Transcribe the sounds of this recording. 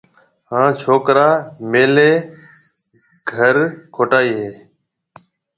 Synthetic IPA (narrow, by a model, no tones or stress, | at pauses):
hãːt͡ʃʰoːkɾaːmeːleː | ɡʱəɾkʰoːʈaːiːɦeː